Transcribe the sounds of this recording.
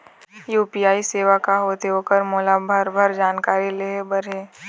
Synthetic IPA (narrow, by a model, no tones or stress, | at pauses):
juːpijaːiseːʋakaɦoːt̪eɦoːkəɾmoːlabʱəɾbʱəɾd͡ʒaːnkaːɾileːɦbəɾɦeː